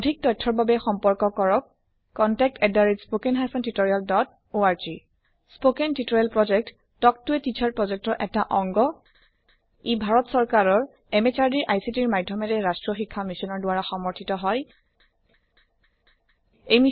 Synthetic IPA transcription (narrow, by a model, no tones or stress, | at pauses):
odʱik̚dɔjtʰːɔɹbabɛxɔmpɔɹkɔkɔɹɔkː | ɔntɛk̚tɛdaɹitspokenɦajsɔntitoɹijaldɔt | oaɹzi | spokentitoɹalpɹɔd͡ʒɛk̚t | tɔk̚tuɛtit͡ʃʰaɹpɹɔzɛk̚tɔʔɛtaʔɔŋɡɔ | ebʱaɹɔtsɔɹkaɹɔɹ | ɛmet͡ʃaɹdiɹʔajsitiɹmajdʱːɔmɛtɛɹastɹɔxikʰːamisɔnɔɹdʊwaɹaxɔmɔɹtʰitɔɦɔj | ejmi